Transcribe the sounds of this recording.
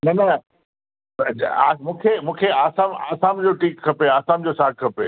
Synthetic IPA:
nɐnɐ | aːmũːkʰemũːkʰeaːsaːma̰ːsaːmd͡ʑoːʈiːkkʰɐpeaːsaːmd͡ʑoːsaːk̚kʰɐpe

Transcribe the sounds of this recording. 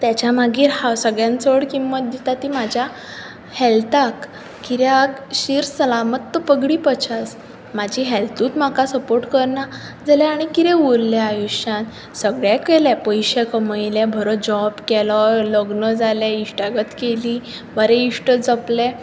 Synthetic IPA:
t̪jat͡ɕamaɡiːɾhasəɡɭjãnt͡səɽkimːət̪̚d̪it̪at̪imad͡ʑʱja | hɛlt̪akː | iɾjakɕiːɾsəlamət̪ːəpəɡɽiːpət͡ɕʰas | mad͡ʑʱiɦɛlt̪ũːt̪m̤akasəpoɾʈkəɾɳa | d͡zalɛaɽ̃ikiɾɛ̃uɾlɛajuɕãt̪ | səɡɭjɛkɛlɛpəjɕɛkəməjlɛbʱəɾɔd͡ʑɔbkɛlɔləɡnəd͡zalɛiʂʈaɡət̪keliː | bʱəɾɛiʂʈəd͡zɔplɛ

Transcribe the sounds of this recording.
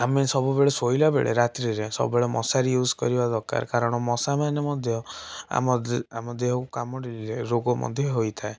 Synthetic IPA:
amesɔbubeɭesoilabḛɭḛɾat̪ɾiɾesɔ̰bubeɭemɔ̰saɾijuzʱkɔ̰ɾibad̪ɔɾka̰ɾkaɾɔɽ̃ɔmɔsamanemɔd̪ʱjɔa̰mɔa̰mɔd̪eɦɔkukamɔɾilileɾoɡɔmʔɔ̰d̪ʱjɔɦojt̪ʰae

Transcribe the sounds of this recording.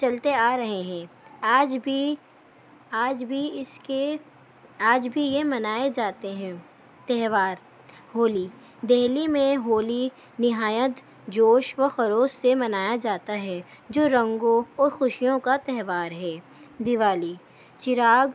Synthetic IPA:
t͡ʃɐlt̪eaːɾɐɦeɦɛ̃ːaːd͡ʒbʱi | aːd͡ʒbʱiɪske | aːd͡ʒbʱijemɐnaːed͡ʒaːt̪eɦɛ̃ː | t̪ɛɦʋaːɾ | ɦoːli | d̪ɛɦlimẽɦoːli | nɪɦaːjət̪ | d͡ʒoːʃʋəxɐɾoːssemɐnaːjad͡ʒaːt̪aɦɛ | d͡ʒoːɾɐ̃ŋɡõɔːɾxʊʃijõkat̪ɛɦʋaːɾɦɛː | d̪ɪʋaːli | t͡ʃɪɾaːɡ

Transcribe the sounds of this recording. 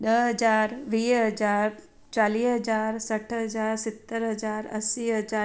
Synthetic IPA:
ɗəɦɐd͡ʒaːɾʋiːɦɐd͡ʒaːɾ | t͡ʃaːliːɦəd͡ʒaːɾsəʈʰɦɐd͡ʒaːɾsɪt̪ːəɾɦəd͡ʒaːɾɐ̰siɦəd͡ʒa

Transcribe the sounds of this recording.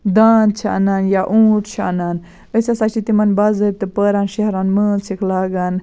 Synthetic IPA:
d̪aːnt͡ʃʰa̰ɐ̰naːnjaʔuːʈʰt͡ʃʰaːnaːn | əsʲasat͡ʃʰit̪imɐnbɐzəɾ̚ʲt̪ɨpəːɾaːnʃɐɦɾaːnməːnsʰikʰlaːɡaːn

